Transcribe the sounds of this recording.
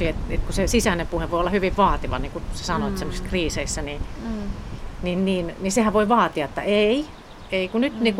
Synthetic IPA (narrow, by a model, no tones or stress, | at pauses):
iet̪ḛt̪kusesisænempuheʋʋoiolːɑhyʋiʋʋɑːt̪iʋɑ̰niŋkuse̥sɑnoet̪semosi̥skriːseisːæni | ninniːnnisehæʋʋoiʋɑːt̪iɑet̪ːæ̰ʔei | eikunyt̪niːku